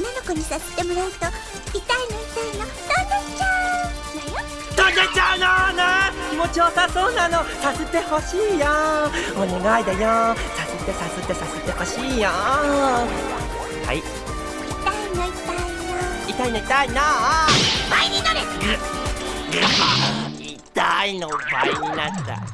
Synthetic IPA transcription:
onanokoɲ̟isase̥t̪emoɾaɯɯt̪o | it̪ainoit̪aino | d̪̥ond̪at͡ɕa | d̪̥ond̪et͡ɕaɯnanemoːt͡ɕoːsaso̞ːnanosase̞t̪e̞ho̞ɕiːjaoneɡaid̪ejo | saset̪ːe̞saset̪ːe̞saset̪e̞ho̞ɕiːja | ha̰i | it̪ainoit̪ainait̪ainoit̪aina | baiɲinaɾeɡ | ɡ | i | t̪ainoba̰iɲinat̪ːa̰

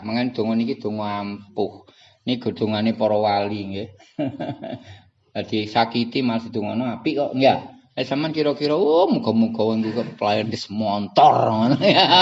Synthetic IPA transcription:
maŋand̪̥o̤ŋɔnikid̪̥o̤ŋɔampʊh | niɡ̥o̤d̪̥o̤ŋanepɔɾɔwaliŋɡe | ad̪̥isakit̪imalasid̪̥o̤ŋɔnɔŋapiʔkɔʔŋɡa | asamankiɾɔkiɾɔwɔmuɡ̥ɔ̤muɡ̥ɔ̤wɔŋɡikɔplajarnd̪əsmɔnt̪ɔranja

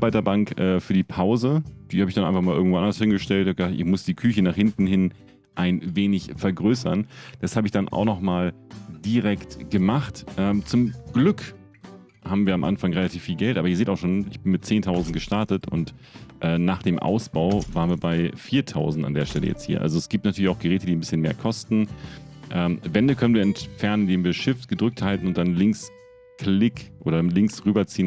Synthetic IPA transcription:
baɪtɐbaŋkʔɛːfyːɐdiːpʰaʊzəd̥iːhaːbɪçd̥anʔa̰ɪnfaχmaːlʔɪɐɡŋ̩v̥oːʔandɐshɪnɡəʃtɛltçhaːpɡəzaːtʔɪ̰çmʊsd̥iːkʰyçənaːχhɪntn̩ɦɪn | ʔaɪnveːnɪçfɛɐɡʁøːsɐnd̥ashaːbəɪçd̥anʔa̰ʊxnɔχmaːld̥iʁɛktɡ̥əmaχtʔɛːmt͡sʊmɡ̥lʏk | haːbm̩viːɐamʔa̰nfaŋʁelatʰiːfːiːlɡɛltʔaːbɐɪəz̥eːtaʊxʃoːnɪçb̥ɪnmɪt̚t͡seːntʰaʊzn̩t̚ɡ̥əʃtaɐtətʔʊ̰nt | ʔɛːnaːχd̥eːmʔa̰ʊsb̥aʊvaːʁnviːɐbaɪfiːɐtʰaʊzn̩tandeːɐʃtɛlə̰jɛ̰t͡sthiːɐʔa̰lzoɛsɡ̥iːp̚tnatʰyːɐlɪçaʊxɡ̥əʁɛːtədiːnbɪsçənmeːɐkʰɔstn̩ʔɛːmvɛndəkʰœnənviːɐɛntfɛɐnənndeːmviːɐʃɪftɡ̥ədʁʏk̚thaltn̩ʊnt̚d̥anlɪŋks | kʰlɪkʔo̰ːɾɐlɪŋksʁyːbɐt͡siːən

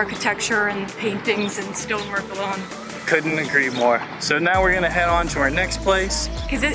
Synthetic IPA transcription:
ɹkɨtʰɛk̚t͡ʃə˞ɨ̃npʰẽɪ̃ntɪ̃ŋzɨ̃nstɪlˠmɜ˞kəlõʊ̃n | kʰʊdⁿn̩tɨɡɹimɔɹ | soʊnaʊwɨɹɡʌnɨɦɛɾn̩tʰɨa˞nɛkspʰl̥eɪskʰʌzɪ

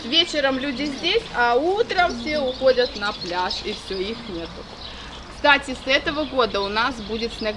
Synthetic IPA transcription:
vʲet͡ɕɪɾəmlʲudʲɪzʲdʲesʲɐut̪ɾəmfsʲeʊxo̞dʲət̪nɐplʲaʂifsʲoixnʲet̪ʊ | kst̪atʲɪsɛt̪əvəɡo̞d̪əʊnasbudʲɪt̪snɐ

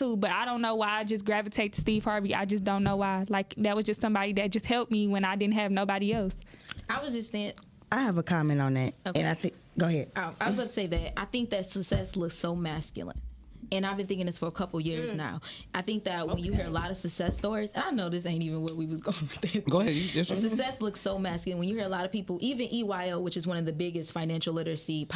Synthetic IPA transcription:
tʰubʌɾaɪɾõʊ̃nːoʊwaɪaɪd͡ʒʌsɡ̥ɹævɨtʰeɪt̚stiv̥hɑɹbiʔa̰ɪd͡ʒʌsd̥õʊ̃nːoʊwaɪlaɪkðɨt̚wʌzd͡ʒʌstsʌ̃mbɑɾiðɨt̚d̥ʒ̥ʌst̚hɛlˠp̚miwɨ̃naɪdɪdⁿn̩tɨvnoʊbɑɾiɛlˠsaɪwʌzd͡ʒʌssɪ̃ɨ̃ŋ | aɪɨvəkʰɑmɛ̃ntn̩ðæt̚ɨ̃naɪθɪ̃ | ɡ̥oʊhɛd̥̚ʌaɪwʌzɡʌ̃nɨseɪðɨt̚aɪθɪ̃ŋk̚ðɨtsəksɛslʊksoʊmæskjl̩ˠə̰̃n | ɨ̃naɪvbɨ̃nθɪ̃ŋkɪ̃ŋðɪsfə˞əkʰʌpl̩ˠjɪɹzna̰ʊʔaɪθɪ̃ŋk̚ðɨt̚wə̃njɨɦɜ˞əlɑɾʌv̥sɨksɛstɔɹizɨ̃naɪnoʊðɪs̬ẽɪ̃ntivɨ̃nwətwiwʌzɡoʊɪ̃ŋwðɨɡoʊɦɛdsɨksɛslʊksoʊmæskjl̩̃ˠnwɨ̃njɨhɜ˞ɾəlɑɾʌ̥pipl̩ˠʔivɨ̃nʔiwaɪoʊwɨt͡ʃɨzwʌ̃nʌvðɨbɪɡɨstfãɪnæ̃nʃl̩ˠlɪɾə˞sipʰ

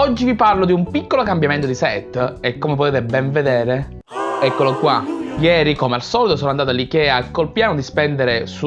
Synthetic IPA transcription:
ɔd͡ʒːiviparlod̪iumpikːolokambjament̪od̪isɛt̪ːekːomep̬ot̪eːt̪ebɛɱved̪eːɾe | ɛkːolokwajɛːɾikomealsɔːlit̪osoːnand̪aːt̪alːikɛakːolpjaːnod̪ispɛnd̪eɾesu

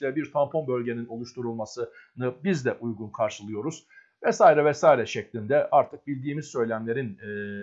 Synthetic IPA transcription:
lʲɛbiɾt̪ʰampʰo̞nbø̞lʲɟe̞nino̞lˠuʃt̪ʰuɾulˠmasɯnɯbizd̪ɛʔujɡunkʰaɾʃɯlˠɯjo̞ɾuz̥ | vɛsaːiɾɛvɛsaːiɾɛʃɛclʲind̪ɛʔaɾt̪ʰɯk̚bilʲd̪iːmizsø̞jlʲænlʲe̞ɾinː

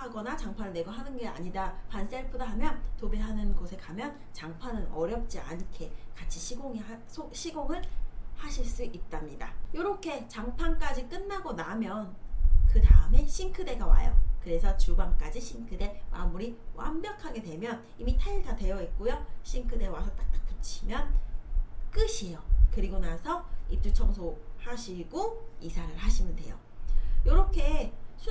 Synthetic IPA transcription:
haɡʌnat͡ɕaŋpʰanɯɭneɡoɦanɯnɡe̞a̰ɲidapʰans͈eɭpʰɯdaɦamjʌntobeɦanɯnɡosʰe̞kamjʌn | t͡ɕaŋpʰanɯnʌɾjʌp̚t͡ɕ͈ia̰nkʰe̞kat͡ɕʰiɕʰiɡoŋia | sʰoɕʰiɡoŋɯɭhaɕʰiɭs͈uʔit̚t͈amɲidajoɾʌkʰe̞t͡ɕaŋpʰank͈ad͡ʑik͈ɯnːaɡonamjʌnkɯdaɯme̞ɕʰiŋkʰɯde̞ɡawa̰jʌ̰kɯɾe̞sʰʌt͡ɕubaŋk͈ad͡ʑiɕʰiŋkʰɯde̞mʔa̰mmuɾiwa̰mbjʌkʰaɡe̞dwe̞mjʌn | imitʰaiɭtʰadwe̞jʌet̚k͈ojoɕʰiŋkʰɯde̞wasʰʌt͈ak̚t͈ḁk̚t͈o̥t͡ɕʰimjʌn | k͈ɯɕʰijokɯɾiɡonasʰʌip̚t͈ʰut͡ɕʰʌŋsʰohaɕʰiɡoisʰaɾɯɭhaɕʰinɯnde̞jo | joɾʌkʰe̞sʰu

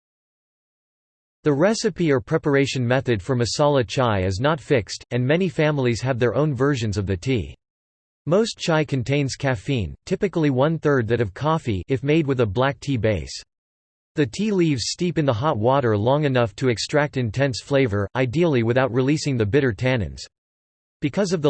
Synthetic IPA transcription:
ðɨɹɛsɨpiə˞pʰɹ̥ɛpə˞eɪʃɨ̃nmɛθɨd̥fɹʌ̃mɨsɑlˠəd̚t͡ʃʰaɪɨznətfɪkstʰɨ̃nmɛnifæ̃ml̩ˠiz̥ɨvðə˞ʔõʊ̃nvɜ˞ʒɨ̃nzʌvðɨtʰḭ | moʊst͡ʃʰaɪkʰɨ̃n̩tʰẽɪ̃nz̥kʰæfĩntʰɪpɨkl̩ˠiwʌ̃nθɜ˞d̪̚ðɨɾʌv̥kʰɔfiʔɨfmeɪd̚wɨðəblæk̚tʰibeɪs | ðɨtʰilivz̥stipɨ̃nðəɦɑt̚wɔɾə˞lɔ̃ŋɨnʌftʰɨɨkstɹ̥æk̚tɨ̃ntʰɛ̃nsfleɪvə˞ʔaɪdil̩ˠiwɨθaʊt̚ɹilisɪ̃ŋðɨbɪɾə˞tʰænɨ̰̃nz̥ | b̥ɨkʰʌzʌvðə

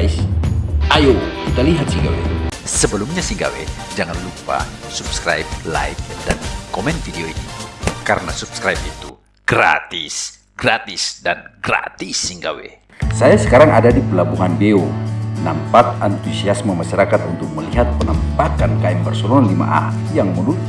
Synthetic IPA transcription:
sʔajokit̪aliɦat̪̚siŋɡa̰wḛsəbəlumɲasiŋɡa̰wḛ | d͡ʒaŋanlupa̰supskɾa̰jp̚la̰ik̚dankomɛnt̪fideoinikaɾənasupskɾajp̚it̪u | ɡ̥ɾa̰t̪is | ɡ̥ɾat̪isdanɡra̰t̪isːiŋɡa̰wḛ | sajasə̥kaɾaŋadadipəlabuŋanbeonampat̪̚ant̪usiasməmaʃaɾakat̪unt̪ʊk̚məliɦat̪̚pənəmpakankaɛmpɛrsɔnalima̰ʔa̰ | jaŋmudʊt̪̚

